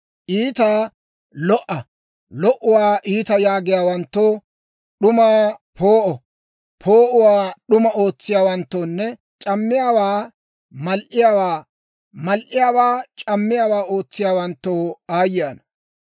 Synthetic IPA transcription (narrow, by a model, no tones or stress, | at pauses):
ʔiːt̪aː | lɔʔɐ | lɔʔʊwaːʔiːt̪ɐjaːɡɪjaːwɐnt̪ːoː | ɗʊmaːpʰoːʔɔ | pʰoːʔʊwaːɗʊmɐo̞ːt͡sːɪjaːwɐnt̪ːoːnːɛ | t͡ʃʼɐmːɪjaːwaː | mɐlʔɪjaːwaː | mɐlʔɪjaːwaːt͡ʃʼɐmːɪjaːwaːo̞ːt͡sːɪjaːwɐnt̪ːoːaːjɪjaːnɐ